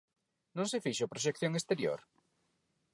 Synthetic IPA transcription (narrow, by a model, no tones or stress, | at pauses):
nõŋsefiʃopɾoʃ̬ekθjõŋest̪eɾjo̰ɾ